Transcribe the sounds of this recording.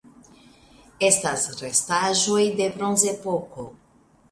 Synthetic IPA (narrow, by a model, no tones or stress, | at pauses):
ɛst̪ɐsrest̪aʒojd̪ebɾõw̃zepokʊ